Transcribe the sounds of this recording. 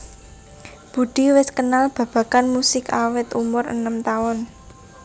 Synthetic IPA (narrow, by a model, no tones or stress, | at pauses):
b̥ṳɖ̪̥i̤wɪskənalb̥ä̤b̥ä̤kanmusɪkawɪt̪umʊrə̰nəmt̪aʊn